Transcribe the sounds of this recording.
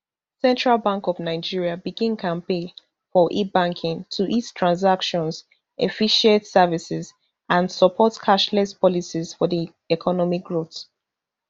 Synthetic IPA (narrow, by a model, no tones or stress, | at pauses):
sɛ̃ntɹalbãŋkɔvnaɪd͡ʒiɹiabiɡĩnkʰãnpe | fɔʔibãŋkʰɪ̃ŋtʰuʔitstʰɹãnzakʃɔ̃nz | ʔefiʃɛ̃ntsɛvisɛz | ãnsəpʰɔtkʰaʃlɛspʰɔlisiz̥fɔði | ɛkʰɔnɔmik̚ɡɹot